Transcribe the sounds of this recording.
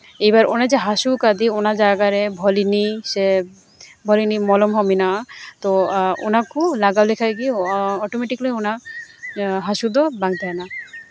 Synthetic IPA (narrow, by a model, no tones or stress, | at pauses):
ejbaɾo̰nad͡ʑeɦaʃukad̪ionad͡ʒaɡaɾebʱɔlinise | bʱɔlinimɔlɔmɦɔminat̪ɔo̰nakulaɡalekʰajɡiɔʈomeʈiklojona | ɦaʃud̪ɔbaŋt̪aena